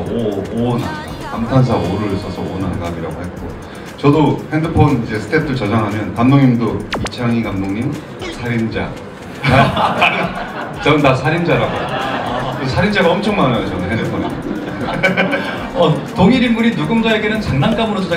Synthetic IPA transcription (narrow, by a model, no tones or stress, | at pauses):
oonkamtʰans̬ʰaoɾɯs͈ʰʌsʰʌonhaŋɡaɡiɾa̰ɡohet̚k͈o | t͡ɕʌdohe̞ndɯpʰonid͡ʑe̞sʰɯ̥tʰe̞tʰɯɭt͡ɕʌd͡ʑaŋɦamjʌnkamnoŋɲimdopit͡ɕʰaŋikamnoŋɲim | sʰaɾind͡ʑa̰ | a | t͡ɕʌɯndasʰaɾind͡ʑaɾaɡo | kɯsʰaɾind͡ʑaɡaʌmt͡ɕʰʌŋmanaɡet͡ɕʌnɯnɦendɯpʰon | ʌ | toŋiɾimːuɾinuɡɯmd͡ʑae̞ɡe̞nɯnt͡ɕaŋnank͈amɯɾosod͡ʑa